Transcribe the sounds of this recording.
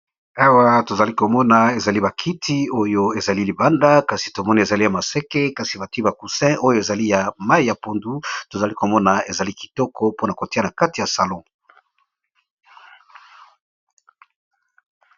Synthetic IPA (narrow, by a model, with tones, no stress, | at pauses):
a˦wa˦to˨za˨li˦ko˨mɔ˦na˨e˨za˨li˦ba˨kʰi˦tʰi˦o˦jo˦e˨za˨li˦li˨ba˦nda˦ka˨si˨to˨mɔ˦ni˨e˨za˨li˦ja˨ma˨sɛ˦ke˦ka˨si˨ba˨tba˨ku˨sɛ̃˦ʔo˦jo˦e˨za˨li˦ja˨ma˦i˦ja˨po˨ndu˦to˨za˨li˦ko˨mɔ˦na˨e˨za˨li˦ki̥˨tɔ˦kʰɔ˦po˦na˨ko˨ti˦a˦na˨ka˦ti˨ja˨sa˨lɔ̃˦˨